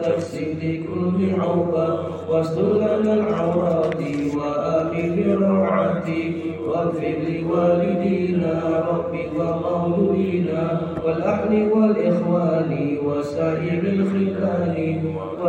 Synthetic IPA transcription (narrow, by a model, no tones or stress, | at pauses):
t̪aksɪlɪkʊlːɪʕawba | wasd̪ʊlːanalʕaɾɑːt̪ɪwaʔamɪlɪɾˤɑʕat̪ɪ | waɾfɪlɪwaːlɪd̪iːnaɾˤɑbːɪwamawluwiːna | walʔaħlɪwalʔɪxwaːlɪwasaːʔɪɾɪlfɪkaːnɪ | wa